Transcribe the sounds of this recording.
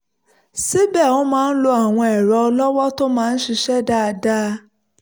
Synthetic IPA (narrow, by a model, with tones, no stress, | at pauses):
si˦bɛ˦˨õ˦mãː˦n̩˦lo˧a˨w̃ɔ̃˧ɛ˨ɾɔ˨ɔ˧lɔ˦wɔ˦to˦mãː˦˧n̩˦ʃi˧ʃɛ˦da˦˧da˦